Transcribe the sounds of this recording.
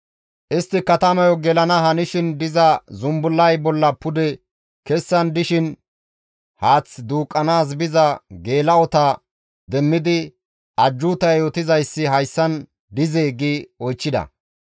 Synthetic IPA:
ʔɪst̪ːɪkɐt̪ɐmɐjɔɡɛlɐnɐhɐnɪʃɪnd̪ɪzɐzʊmbʊlːɐjbɔlːɐpʊd̪ɛ | kɛsːɐnd̪ɪʃɪn | haːt͡sːd̪uːkʼːɐnaːs̬bɪzɐɡe̞ːlɐɔt̪a | d̪ɛmːɪd̪ɪ | ɐd͡ʒːʊt̪ɐjjoːt̪ɪzɐjsːɪɦɐjsːɐn | d̪ɪzeːɡiːɔjt͡ʃːɪd̪ɐ̰

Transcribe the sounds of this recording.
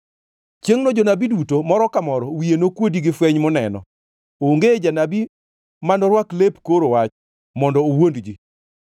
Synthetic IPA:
t͡ʃeŋnɔd͡ʒonabidutomɔɾɔkamɔɾɔwienokwodiɡɪfwɛɲmʊnɛ̰nɔ̰ | oŋɡed͡ʒanabi | manɔɾwaklepkoɾowat͡ʃ | mɔndɔowondd͡ʒi

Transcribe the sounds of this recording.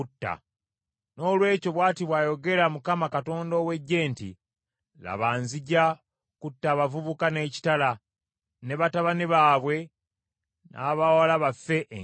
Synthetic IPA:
utːa̰ | no̞ːlwe̞ːco̞βwaːtiβwaːjo̞ɡe̞ɾamukamakato̞ːndoːwe̞ɟːe̞ːntḭ | la̰βaːnziɟa | kutːaːβavuβukane̞ːci̥tala | ne̞βataβaniβaːβwe̞ | nʔa̰βawalaβafːe̞ʔe

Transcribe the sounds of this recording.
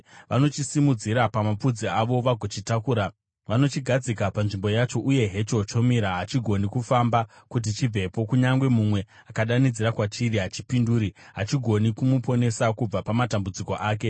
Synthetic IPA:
ʋʔano̞t͡ʃisimud͡ziɾapamapud͡ziaʋo̞ʋaɡʱot͡ʃitakuːɾa | ʋano̞t͡ʃiɡʱad͡zikapanʐimbo̞jat͡ʃo̞ʔuje̞ɦe̞t͡ʃo̞t͡ʃo̞miɾaɦat͡ʃiɡʱo̞nikufamba | kut̬it͡ʃivʱe̞po̞kuɲaŋɡwe̞mumwe̞ | akaɗanid͡ziɾakwat͡ʃiriɦat͡ʃi̥pinduːɾi | ɦat͡ʃiɡʱo̞nikumupo̞ne̞sakub͡vapamatambud͡ziko̞ʔaːke̞

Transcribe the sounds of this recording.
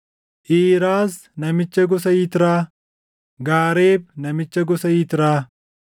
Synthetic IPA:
ʔiːɾaːs | nɐmɪt͡ʃːɐɡɔs̬ɐjɪt̪ɪɾaː | ɡaːɾeːbnɐmɪt͡ʃːɐɡɔsɐjɪt̪ɪɾaː

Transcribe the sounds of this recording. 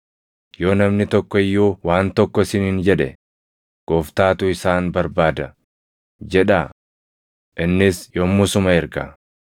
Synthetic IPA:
jo̞ːnɐmnɪt̪ɔkːɔɪjːuːwaːnt̪ɔkːɔsɪnɪnd͡ʒɛᶑɛ̰ | ɡ̥oːft̪aːt̪ʊɪsaːnbɐɾbaːd̪ɐ | d͡ʒɛᶑa | ʔɪnːɪsjoːmːʊsʊmɐɪɾkɐ̰

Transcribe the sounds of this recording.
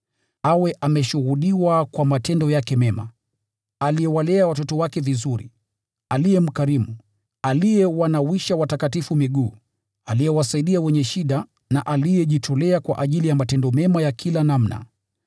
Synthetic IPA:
awɛʔamɛʃuɣuɗiwakwamatɛndɔjakɛmɛma̰ | alijɛwalɛawatɔtɔwakɛvizuɾḭ | alijɛm̩kaɾimu | alijɛwanawiʃawatakatifumiɠuː | alijɛwasaiɗiawɛɲɛʃiɗa | na̰ʔalijɛʄitʰɔlɛakwa̰ʔaʄilijamatɛndɔmɛmajakʰilanam̩na̰

